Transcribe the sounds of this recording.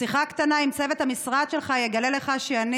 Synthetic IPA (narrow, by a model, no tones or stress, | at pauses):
siχakt̪anaimt͡se̞ve̞t̪hamisʁad̪ʃe̞lχajeɡalele̞χaʃeani